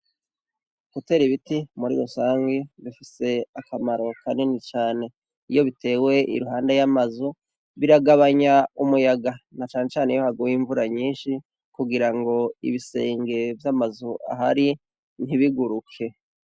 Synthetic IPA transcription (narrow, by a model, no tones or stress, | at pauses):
kute̞ːɾiβitimuɾḭɾosaːŋɡiβifise̞akamaɾo̞kane̞nit͡ʃaːne̞ | ijo̞βitʰe̞ːwe̞ʔḭɾuɦaːndejamazu | βiɾaɡaβaɲaumujaɡanat͡ʃaːne̞t͡ʃaːneijohaɡuwiɱvuɾaɲiːnʃi | kuɡiɾaŋɡo̞ḭβise̞ːŋɡe̞vjamazuʔa̰ɦaɾi | n̥hiβiɡuɾukʰe̞